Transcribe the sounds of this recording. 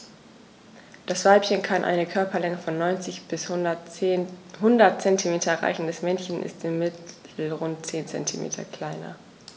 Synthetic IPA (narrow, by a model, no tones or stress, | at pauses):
d̥asv̥aɪpçənkʰanʔa̰ɪnəkʰœɐpʰɐlɛŋəfɔnːɔʏnt͡sɪçb̥ɪs | ɦʊndɐt̚t͡sɛntʰimeːtʰɐʁa̰ɪçn̩dɛsmɛnçənʔɪ̰stɪmːɪtʰl̩ʁʊnt̚t͡seːnt͡sɛ̰ntʰimḛːtʰɐ̰kl̥aɪnɐ̰